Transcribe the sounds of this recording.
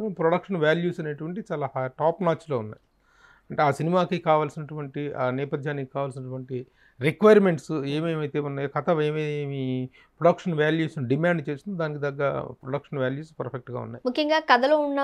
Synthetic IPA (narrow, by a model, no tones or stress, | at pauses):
pɾoɽɐkʂɐnʋjaːljuːsɐneːʈuʋɐɳʈ̬iit͡ʃaːlaːɦajɐʈaːpnaːt͡ʃːlo̞ːunːa̰ːj | ɐɳʈeaːsinimaːkikaːʋaːlsinɐʈuʋɐɳʈiaːnɛːpɐd̪ʱjaːnikikaːʋaːls̬inɐʈuʋɐɳʈi | ɾikʋɐjɐɾmeɳʈseːmeːmɐjt̪eːunːaːjokɐt̪ʰɐʋeːmiemi | pɾoɽɐkʂɐnʋaːljuːsnuɖimaːɳɖt͡ʃe̞ːsind̪id̪aːnik̬id̪ɐɡːɐ̰pɾoɽɐkʂɐnʋjaːljuːspɐɾpʰek̚ʈɡa̰ːṵnːa̰ːjimukʰjɐŋɡaːkɐd̪ɐloːunːɐ